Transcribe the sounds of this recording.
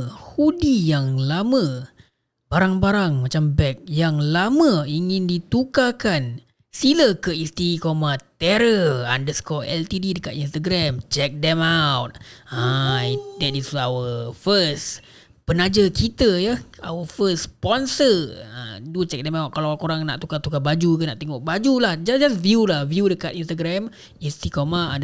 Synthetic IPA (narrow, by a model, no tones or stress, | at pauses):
hudijaŋlamə̃ | baɾaŋbaɾaŋmat͡ʃambɛk̚jaŋlamə̃iŋɪ̃ndit̪ukakan | siləkəist̪iikomat̪ɛɾəandəskɔɛ̰lt̪ididəkat̪ins̬t̪aɡɾɛmt͡ʃɛk̚dɛmawt̪̚a | dɛtisawəfəs | pənad͡ʒəkʰit̪əjəa̰wəfəspɔnsəa̰dut͡ʃɛk̚dɛmawt̪̚kalaakoɾaŋna̰ʔt̪ukat̪ukabad͡ʒukəna̰ʔt̪eŋɔʔbad͡ʒulahd͡ʒad͡ʒasviulahvjudəkat̪inst̪aɡɾɛm | ist̪ikomaa